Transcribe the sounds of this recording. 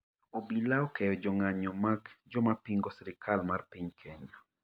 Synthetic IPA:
obilaɔkɛjɔd͡ʒɔŋaɲɔmaɡd͡ʒɔmapiŋɡɔsiɾɪkʰalmarpiɲkʰɛɲa

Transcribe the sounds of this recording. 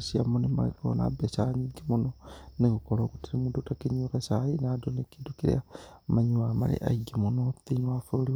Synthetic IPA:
siamonimalḭko̰na̰besaɲiɡimunonikukolokutiɾimudutakiɲuɣesainadonikidukiɾḛamaɲuwama̰lḭʔa̰iɡimunotiɲwafoli

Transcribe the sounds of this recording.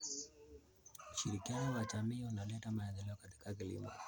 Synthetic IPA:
uʃiɾikianɔwad͡ʒamiːunalɛtamaɛðɛlɛɔkati̥kak̬ilḭmɔ̰

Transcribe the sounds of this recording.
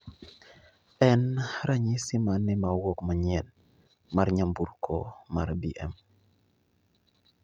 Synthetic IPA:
ɛnɾaɲisɪmanːɪmawɔkmaɲɛn | maɾɲambuɾkʰɔ̰maɾbiʔɛ̰m

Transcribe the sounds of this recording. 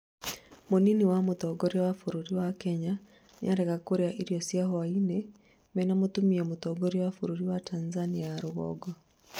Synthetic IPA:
moniniwamotɔɡɔɾjawafuɾuɾiwakɛɲa | nḭaɾɛɣakoɾeaʔiɾjɔsjaɦɔainɛ | mɛnamotumiemotɔɡɔɾjawafuɾuɾiwatʰanzaniaːɾoɣɔ̰ɡɔ

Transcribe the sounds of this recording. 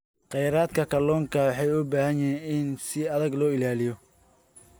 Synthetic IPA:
qɛjɾaːd̪kʰɐkʰɐlɔːŋkʰɐwɑħɑjʊbaːhɐjɛːnɪnsɪɐðɐɡlɔːɪlaːlɪjɔ

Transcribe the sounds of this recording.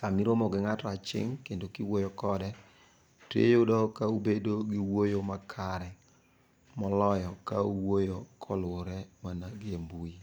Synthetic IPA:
samiɾomɔɡɪŋatɔat͡ʃɪ̰ŋkendokiwojokɔdɛ | tḛjodɔkaubedoɡɪwojomakʰaɾɛ | mɔlɔjɔkauwojokʰɔlwoɾɛmanaɡembui

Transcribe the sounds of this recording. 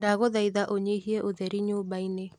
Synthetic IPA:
ɾaɣoðaiðaʔoɲeiɦiɛʔoðɛɾiɲoːbaine

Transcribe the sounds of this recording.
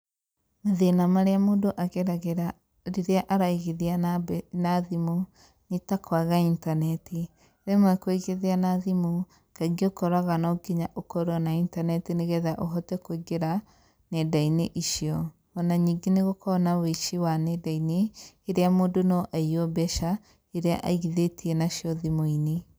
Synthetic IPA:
maðenamaɾeamoːdoʔaɣeɾaɣeɾa | ɾiɾeaʔaɾaiɣeðianaðimo | nitakʰwaɣaintanɛti | ɾemwɛkweɣeðianaðimo | kaɡiokɔɾaɣanɔɡeɲaʔokɔɾɔnaintanɛtineɣɛðaʔoɦɔtɛkwiɡeɾa | nɛdaineʔiʃiɔ | βɔnaɲiːŋɡeneɣokʰɔnaweʃiwanɛdaineː | ɾeamoːdonɔʔaiɔbɛʃa | eɾea̰ʔa̰iɣiðetiɛnaʃiɔðimoine

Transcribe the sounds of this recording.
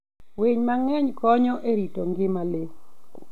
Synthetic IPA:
weɲmaŋɛɲkɔɲɔʔeɾitoŋɡɪmale

